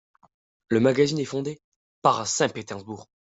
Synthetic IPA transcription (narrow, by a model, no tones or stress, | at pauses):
ləmaɡazinɛfɔ̃d̪e | paʁsɛ̃pet̪ɛʁzbuːʁ